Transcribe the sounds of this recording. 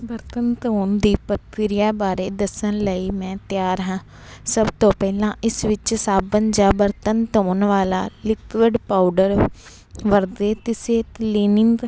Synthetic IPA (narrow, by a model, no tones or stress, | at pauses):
bəɾt̪ənt̪oːnd̪iːpət̪ɪɾɪjaːbaːɾeːd̪əsənləiːmɛ̃ːt̪jaːɾɦãː | səbt̪õːpɛːlãːʔɪsʋɪt͡ʃsaːbənd͡ʒaːbəɾt̪ənt̪ɦoːnʋaːlaːlɪkʋəɖpaːʊɖəɾ | ʋəɾd̪eːt̪ɪseːt̪liːnɪŋɡ